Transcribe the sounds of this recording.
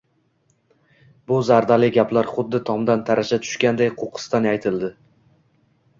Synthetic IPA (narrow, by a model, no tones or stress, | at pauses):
bʊzaɾd̪alɪɡʲaplaɾχʊd̪ːɪt̪ʰɒmd̪ant̪ʰaɾaʃat̪ʰʊ̥ʃkʲand̪ajqʰoqʰɨ̥st̪anajt̪ʰɪld̪ɪ